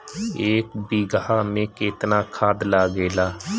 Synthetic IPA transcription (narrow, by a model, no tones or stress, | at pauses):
eːkbiːɡaːmẽːkɪt̪naːkʰaːd̪laːɡeːlaː